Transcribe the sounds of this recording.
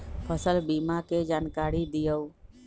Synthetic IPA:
pʰəsəlbimaked͡ʒaːnkaːɾid̪ɪjəw

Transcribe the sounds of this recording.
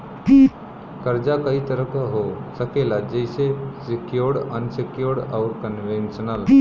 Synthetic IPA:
kəɾd͡ʒakɐit̪əɾəkaɦosəkeːlad͡ʒəɪsesɪkjoɾɾənsɪkjoɾɾaʊɾkənʋẽnʃənəl

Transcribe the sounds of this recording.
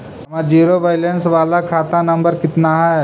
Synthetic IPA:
ɐmad͡ʒiːɾoʋajlensʋalakʰat̪anɐmbəɾkɪt̪naɦaj

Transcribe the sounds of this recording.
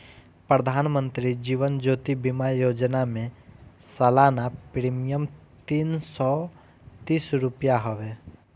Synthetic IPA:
pɾəd̪ʱaːnmə̃nt̪ɾid͡ʒiːʋənd͡ʒoːt̪ibimajoːd͡ʒnamẽ | səlaːnapɾiːmijəmt̪iːnsɔ | t̪iːsɾʊpjaɦoʋe

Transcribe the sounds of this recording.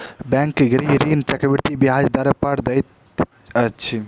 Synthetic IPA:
bɛ̃ŋkːeɡɾiɦɾint͡ʃɛkɾəbiɾt̪ibiɦad͡ʒd̪aɾəpəɾd̪ɛjt̪ | ət͡ʃʰi

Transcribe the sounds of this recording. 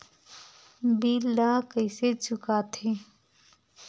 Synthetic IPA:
biːlːãkəɪset͡ʃʰʊkat̪ʰe

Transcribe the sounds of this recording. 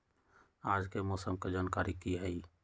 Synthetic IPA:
aːd͡ʒkemɔːsəmked͡ʒaːnkaːɾikiɦɛi

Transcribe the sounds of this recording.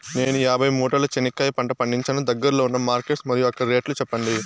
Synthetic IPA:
ne̞ːnujaːbʱɐjmuːʈɐlɐt͡ʃenikːɐːjɐpɐɳʈɐpɐɳɖiɲt͡ʃɐnɐd̪ɐɡːɐɾɐloːunːɐmaːɾkeʈsmɐɾjuɐkːɐɽiɾeːʈlut͡ʃɛpːɐɳɖi

